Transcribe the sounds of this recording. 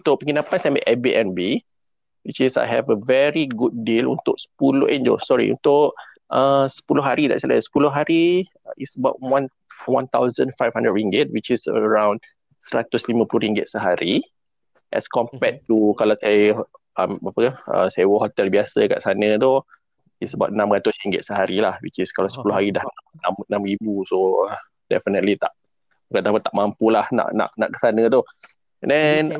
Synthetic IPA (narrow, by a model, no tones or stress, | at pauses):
t̪ʊʔpəŋinapansajmaʔɛbiʔɛ̃nbi | wit͡ʃisa̰jɦɛ̰vəvɛɹiɡut̚dilṵnt̪ʊk̚sə̥pulʊ̰hɛ̃nd͡ʒo̰sɔɹḭṵnt̪ʊʔ | ʔəsə̥pulʊhɦaɾidaʔsila̰sə̥pulʊɦaɾi | isəbaʊt̚wãn | wãnt̪awzə̃nfajvhãndɹət̚ɹĩŋɡət̚wit͡ʃisə̰ɹãw̃n | səɾat̪uslimə̃pulʊɾiŋɡət̪̚səɦaɾi | ʔɛ̰skɔmpɛtːukalasaj | əmapəkəə̰sajwəɦɔt̪ɛlbiasəka̰ʔsanə̃t̪u | isəba̰t̚nãmrat̪ʊsriŋɡɪt̪̚səɦaɾilahwḭt͡ʃiskalawsə̥pulʊhɦaɾidahnanãmənãmribuso | dɛ̰fənət̪lit̪a̰ʔ | kat̪apət̪aʔ̚mãmpulahna̰ʔna̰ʔna̰ʔkə̥sanə̃t̪u | ɛndɛn